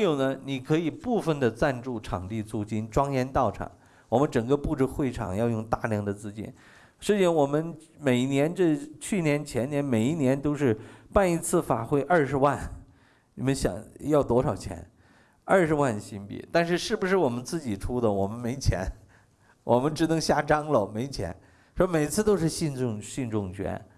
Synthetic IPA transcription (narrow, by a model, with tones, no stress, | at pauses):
jo˨˩ʊnə˦ni˨˩kʰɤ˧˥i˨˩pu˥˩fə˥˩nd̪ə˩t͡sa˥˧nʈ͡ʂu˥˩ʈ͡ʂʰɑ˨˩ŋt̪i˥˧t͡su˥˩t͡ɕi˥nʈ͡ʂwɑ˥ŋjɛ˧˥nt̪ɑ˥˩ʊʈ͡ʂʰɑ̰˨˩˦ŋ | wɔ˨˩mə˦nʈ͡ʂɤ˨˩ŋɡə˦pu˥˧ʈ͡ʂɻ̩˥˧xwe˥˩ɪʈ͡ʂʰɑ̰˨˩ŋjɑ˥˧ʊjʊ˥˧ŋt̪a˥˧ljɑ˥˩ŋd̪ə˨t͡sɹ̩˥t͡ɕḭ˥˩n | ʂ̩˥t͡ɕi˥˩ɑ˧nwɔ˨˩mə˦n | me˨˩ɪ˥njɛ˧˥nʈ͡ʂɤ˥˧t͡ɕʰy˥˩njɛ˧˥nt͡ɕʰjɛ˧˥njɛ˧˥nme˨˩ɪi˥˩njɛ˧˥nt̪o˥ʊʂɻ̩˥˧pa˥˩ni˧˥t͡sʰɹ̩˥˩fa˨˩xwe˥ɪʔə˞˥˩ʂɻ̩˧˥wa˥˩n | ni˨˩mə˦nɕjɑ̰˨˩˦ŋjɑ˥˩ʊt̪wɔ˧˥ʂɑ˨˩ʊt͡ɕʰjɛ̰˧˥n | ə˞˥˩ʂɻ̩˧˥wa˥˩nɕi˥npḭ˨˩t̪a˥˧nʂ̬ɻ̩˥˧ʂɻ̩˥˩bu˧˩ʂɻ̩˥˩wɔ˨˩mə˦nt͡sɹ̩˥˩t͡ɕi˨˩ʈ͡ʂʰu˥d̪ə˨wɔ˨˩mə˦nme˧˥ɪt͡ɕʰjɛ̰˧˥n | wʔɔ˨˩mə˦nʈ͡ʂɻ̩˧˥nɤ˧˥ŋɕja˥ʈ͡ʂɑ˥ŋlə˨me˧˥ɪt͡ɕʰjɛ̰˧˥n | ʂɔ˥me˨˩ɪt͡sʰɹ̩˥˧t̪o˥ʊʂɻ̩˥˧ɕi˥˧nʈ͡ʂʊ˥˧ŋɕi˥˧nʈ͡ʂʊ˥˩ŋt͡ɕʰɥɛ̰˧˥n